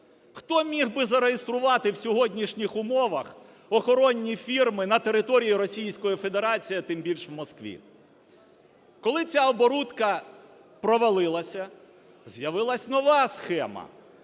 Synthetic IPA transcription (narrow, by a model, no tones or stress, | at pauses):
xt̪ɔmʲiɣbɪzɐɾejest̪ɾʊʋɑt̪ɪwsʲɔɦɔdʲnʲiʃnʲixʊmɔʋɐx | ɔxɔɾɔnʲːifʲirmɪnɐt̪eɾɪt̪ɔɾʲijiɾɔsʲijsʲkɔjifed̪eɾɑt͡sʲijɐt̪ɪmbʲilʲʃʋwmɔskʋʲḭ | kɔlˠɪt͡sʲaɔbɔɾut̪kɐ | pɾɔʋɐlˠɪlˠɐsʲɐ | zjɐʋɪlˠɐsʲnɔʋɑsxɛmɐ̰